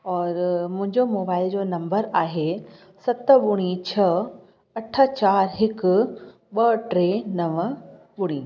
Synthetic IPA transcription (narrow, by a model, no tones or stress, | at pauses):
ɔːɾmʊ̃ɦɪ̃ɲd͡ʑomoːbaːɪld͡ʑoːnɐ̃mbəɾaːɦe | sɐt̪ɓʊɽ̃it͡ɕʰɐ | ɐʈʰə̆t͡ɕaːɾɦɪkʊ̆ | ɓɐʈɾenɐʋə̆ | ɓʊɽ̃iː